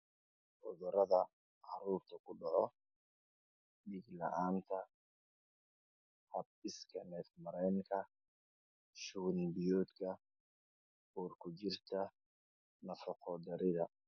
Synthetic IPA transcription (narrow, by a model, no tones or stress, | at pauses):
ʔɔðɔɾɐðɐ | ʕɑɾuːrt̪ʰɐkʰʊɖɑʕɔ | ɗiɡlɐ̰ʔaːnt̪ʰɐ | hɐb̚ɪskʰɐnɛːfmɐɾɛːŋkʰɐ | ʃuːnbɪjɔːd̪kʰɐ | uːrkʰʊt͡ʃɪrt̪ʰɐ | nɐfɔqʰɔd̪ɐɾɪðɐ